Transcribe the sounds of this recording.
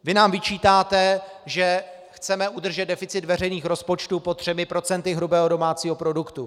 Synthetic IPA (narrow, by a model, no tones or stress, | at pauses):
vɪnaːmvɪt͡ʃiːt̪aːt̪ɛ | ʒɛ | xt͡sɛmɛʔudr̩ʒɛd̪dɛfɪt͡sɪt̪vɛr̝ɛjniːxɾo̞spo̞t͡ʃt̪upot̪r̥ɛmɪpɾo̞t͡sɛnt̪ɪɦɾubɛːɦodo̞maːt͡siːɦo̞pɾo̞dukt̪u